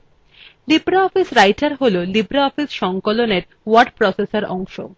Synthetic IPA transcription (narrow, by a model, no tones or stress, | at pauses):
libɾaɔfisɾajʈaɾɦololibɾaɔfisʃɔŋkoloneɾ | waɾɖpɾɔsesaɾɔŋʃo̰